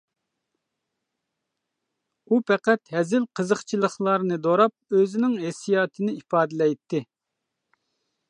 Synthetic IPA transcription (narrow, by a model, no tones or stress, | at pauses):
upʰɛqæt̪hɛzɪlqʰəzəχt͡ʃʰilˠəχlˠɑɾnɨd̪oɾɑp̚øzɪnɪŋɦesijɑːt̪ʰɨnɨipɑːd̪ɨlɛjt̪ʰːɪ